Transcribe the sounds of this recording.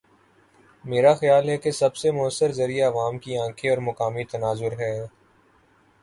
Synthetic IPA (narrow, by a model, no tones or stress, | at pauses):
meːɾaxɐjaːlɦɛkesɐbsemʊəsːəɾzɐɾijaɐʋaːmkiãːkʰeɔːɾmɐkaːmit̪ɐnaːzʊɾɦɛː